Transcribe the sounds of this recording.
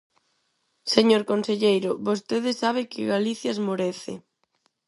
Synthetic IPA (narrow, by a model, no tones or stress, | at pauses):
seɲoɾkonseʎejɾʊβost̪eðɪsaβ̞ɪkɪɣaliθjazmoɾeθɪ̰